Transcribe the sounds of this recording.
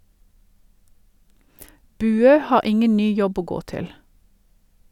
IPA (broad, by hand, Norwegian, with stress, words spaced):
ˈbʉːøː ˈhɑːʁ ˈɪŋən ˈnyː ˈjɔb ˈoː ˈɡoː ˈtɪl